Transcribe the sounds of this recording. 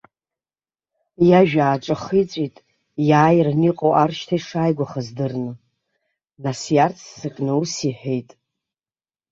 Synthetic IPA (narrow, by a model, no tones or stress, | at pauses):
jaʒᶣaːʈ͡ʂʷʼaχit͡sʷʼitʼ | jaːjrniqʼowʔarʃtʰaiʂaːjɡʷaχazdɨrnɨ | nasjart͡sʰsɨkʼnɨusiħᶣejtʼ